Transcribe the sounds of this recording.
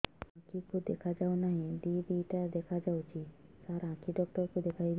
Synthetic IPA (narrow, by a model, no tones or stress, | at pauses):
ãkikʰud̪ekʰad͡ʒawnaɦĩɖiɖiʈad̪ekʰad͡ʒawt͡ʃisaɾãkiɖɔk̚ʈɔɾkud̪ekʰajl